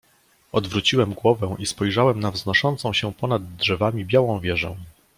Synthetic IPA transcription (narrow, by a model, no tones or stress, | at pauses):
ɔd̪vɾut͡ɕiwɛmɡwɔvɛ̃ʔispɔjʐawɛmnavznɔʂɔnt̪sɔ̃w̃ɕɛpɔnad̪dʐɛvamʲibʲjawɔ̃w̃vʲjɛʐɛ̰̃